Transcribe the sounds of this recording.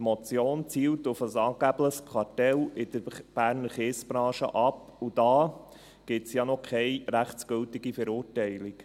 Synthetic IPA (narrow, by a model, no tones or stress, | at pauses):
mɔt͡sjoːnt͡siːlt̪ʊfəsɑːɡ̥æbləχskʰwɑɾtɛlɪd̥əɾb̥æːɾnəɾχeːsb̥ɾɑ̃ːʃə̰ʔɑpud̥̪ɑː | ɡ̥ɪtsjɑnɔkʰɛɪɾæχt͡sɡ̥ʏltiɡifəɾuːɾtɛɪlɪk